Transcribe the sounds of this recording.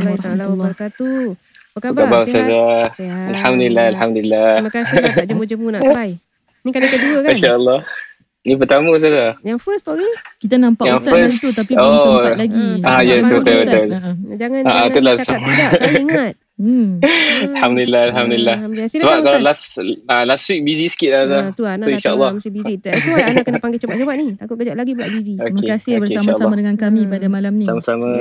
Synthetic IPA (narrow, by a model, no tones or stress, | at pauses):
kubabasad͡ʒaalħamd̪ulilːaalħamd̪ulilːa | aʃaəlˠˤːɑh | nĩp̬ət̪aməs̬alafs | jaŋfəso | ajɛsbət̪abət̪ʊld͡ʒaŋaaʔat̪ulasʊŋŋat̪̚ | alhamd̪ulilːahalɦamd̪ulilːahsəbap̚kalalasalaswik̚bizisə̥kit̪̚lat̪asoĩnnʃaʔəlːɔiinakənpaŋɡet͡ʃabat͡ʃabanit̪akʊt̪̚kəd͡ʒaʔlaɡibaʔbiziomkeasɪobəkeʃalːdəŋankamipadamalasamasamã